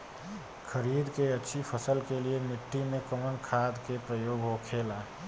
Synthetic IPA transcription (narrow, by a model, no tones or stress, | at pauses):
kʰəɾiːd̪keətːʃʰipʰəsəlkeliemɪʈːimẽkəmənkʰaːd̪kepɾəjoːɡɦokʰelaː